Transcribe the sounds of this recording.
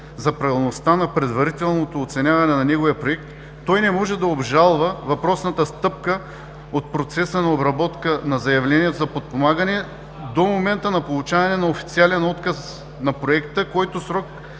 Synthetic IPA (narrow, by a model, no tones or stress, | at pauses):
zɐpɾɐvilˠnost̪anɐpɾɛd̪vɐɾit̪ɛlˠnot̪oːt̪sɛnʲjavɐnɛnɐnɛɡovijəpɾoɛkt̪ː | ɔjnɛmɔʒɛd̪ɐobʒalˠvəvɐpɾɔsnɐt̪əst̪ɤp̚kə | ot̪̚pɾot̪sɛsənɐobɾɐbɔt̪kənɐzɐjɐvlɛnʲiɛt̪ozɐpot̪̚pomaɡənɛ | d̪omomɛnt̪ənɐpolˠut͡ʃavɐnɛnɐofi̥t̪sialɛnɔt̪kɐs | nɐpɾoɛkt̪əkɔjt̪osɾɔk̚